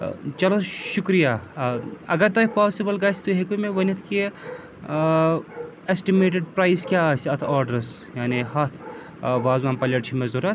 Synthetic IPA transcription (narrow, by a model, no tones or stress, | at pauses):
t͡ʃɐloʃukɾija | ɐɡɐɾt̪ɐpaːsibɐlɡaːst̪uɦekumeʋɐnit̪ʰki | esʈimeːʈ̬eɖ̚pɾaːjskʲjaːəsɐt̪ʰaːɾɖɐɾs | jaːnihɐt̪ʰ | ʋaːzʋaːmpɐlʲɐʈt͡ʃʰimezuɾɐt̪ʰ